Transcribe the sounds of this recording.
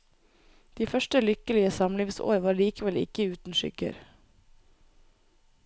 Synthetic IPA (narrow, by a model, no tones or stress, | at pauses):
d̪̥iːfœʃʈəlʏkəlɪəsɑmliːʋso̰ːɾʋɑːɾliːkəʋɛlɪ̰kəʉːt̪n̩ʃʏ̰ɡ̥ə̰ɾ